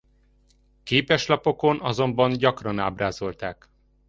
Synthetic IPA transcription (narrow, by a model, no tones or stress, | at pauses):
keːpɛʃlɒpo̞ko̞nɒzo̞mbɒnɟɒkrɒnaːbraːzo̞lt̪aːk